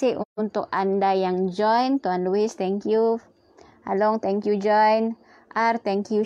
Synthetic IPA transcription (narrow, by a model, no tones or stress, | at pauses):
ɪʔunt̪ʊkandajaŋd͡ʒɔjnt̪uanluist̪ɛŋkju | ʔalɔŋt̪ɛŋkjud͡ʒɔjn | ʔart̪ɛŋkju